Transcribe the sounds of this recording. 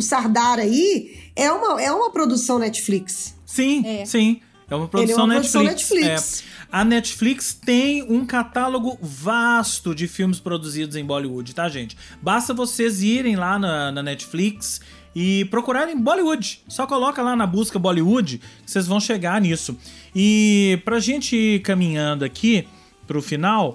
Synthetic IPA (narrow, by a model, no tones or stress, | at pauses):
ʊsaɾd̪aɾɐiɛũmɐɛũmɐpɾod̪usɐ̃w̃nɛt͡ʃi̥fliksːĩɛsĩ | ɛũmɐpɾodusɐ̃w̃nɛt͡ʃsfliɛkt͡ʃsfliɛɐnɛt͡ʃɪ̥flikst̪ẽj̃ũkat̪aloɡʊvast̪ʊd͡ʒɪfiwmɪspɾod̪uzid̪ʊzẽj̃bɔliud͡ʒɪt̪aʒẽt͡ʃɪ̥ | bast̪ɐvoseziɾẽj̃lanɐnɐnɛt͡ʃɪ̥fliks | ɪpɾokuɾaɾẽj̃bɔliud͡ʒɪsɔkolɔkɐlanɐbuzkɐbɔliud͡ʒɪsezvɐ̃w̃ʃeɡaɾnisʊɪpɾɐʒẽnt͡ʃɪiɾkɐ̃mĩɲɐ̃d̪ʊɐkʰi | pɾʊfinaw